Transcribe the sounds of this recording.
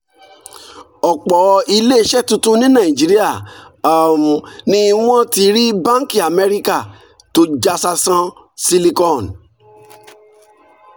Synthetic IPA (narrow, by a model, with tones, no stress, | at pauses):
ɔ˨k͡pɔ˨i˧le˦ʃɛ˦˨tũ˧tũ˦nĩ˦nã˨ĩ˨d͡ʒi˨˦ɾi˦a˦˨a˨mũ˨nĩ˦˧w̃ɔ̃˦ti˧ɾi˦bã˦ki˨a˨mɛ˧ɾi˦ka˦˨ | to˧˦d͡ʒa˧sa˧sã˧ | si˦li˧kɔ̃˦˨n